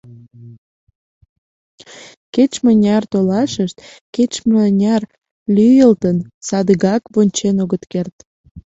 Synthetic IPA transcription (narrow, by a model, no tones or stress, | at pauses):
ket͡ɕmənʲɑrt̪olɑʃəʃt̪ | ket͡ɕmənʲɑr | lʲyjəlt̪ənsɑd̪əɣɑkβonʲt͡ɕenoɣət̪kert̪